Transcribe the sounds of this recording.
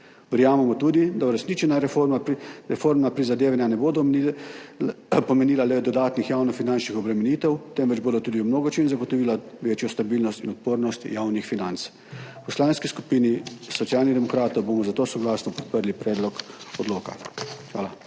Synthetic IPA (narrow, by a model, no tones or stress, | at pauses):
ʋɛɾjaːmɛmɔt̪uːd̪id̪auɾɛsnit͡ʃɛna | ɾɛfoːɾmnapɾizad̪eːʋanjanɛboːd̪ɔ | pɔmɛniːlalɛd̪ɔd̪aːt̪nixjaːwnɔfinant͡ʃnixɔbɾɛmɛniːt̪ɛwt̪ɛmʋɛd͡ʒboːd̪ot̪uːd̪iumnoːɡɔt͡ʃenzaɡɔt̪ɔʋiːlaʋeːt͡ʃjɔst̪abiːlnɔst̪inɔt̪̚poːɾnɔst̪jaːwnixfinant̪s | pɔslaːnskiskupiːnisɔt̪sijaːlnid̪ɛmɔkɾaːt̪ɔwboːmɔzat̪oːsɔɡlaːsnɔpɔt̪̚pəɾlipɾɛːd̪lɔkɔd̪loːkaxʋaːla